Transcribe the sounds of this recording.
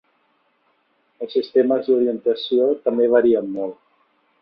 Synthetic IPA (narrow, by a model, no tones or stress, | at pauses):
əlˠsːist̪eməzd̪uɾiənt̪əsiot̪əmbeβ̞əɾiəmːolˠ